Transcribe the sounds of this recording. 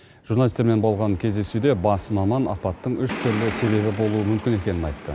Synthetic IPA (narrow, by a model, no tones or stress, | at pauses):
ʒ̥urnalʲist̪eɾme̞nbɑlˠʁɑnkʲʰe̞zd̪esud̪e̞bɑsmɑmɑnɑ̰pɑt̪ːəɴʏʃt̪ʰʏɾlɪse̞βe̞βɪbo̞lˠuəmʏmkʲɪne̞kʲe̞nɪnɑjt̪ːə